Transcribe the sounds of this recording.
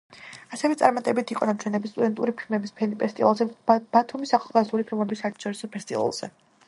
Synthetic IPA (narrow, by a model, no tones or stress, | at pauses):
asɛvɛt̪sʼaɾmat̪ʼɛbit̪ʰiqʼɔnat͡ʃʰwɛnɛbist̪ʼud̪ɛnt̪ʼuɾipʰilˠmɛbispʰɛnipʰʼɛst̪ʼivalˠzɛb̥at̪ʰumisaχalˠɡazulipʰilˠmɛbisːaːɾt̪ʰḁʃɔɾisɔpʰɛst̪ʼḭva̰lˠz̥ɛ̰